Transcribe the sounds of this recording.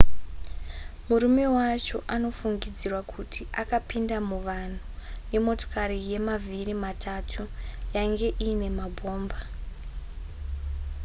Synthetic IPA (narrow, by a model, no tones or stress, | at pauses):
muɾume̞wat͡ʃo̞ʔano̞fuŋɡid͡zirwakʰutʰiʔakapindamuʋan̤une̞mo̞to̥kaɾije̞mavʱirimatʰatʰujaŋɡe̞ʔiːne̞mabʱo̞ːmba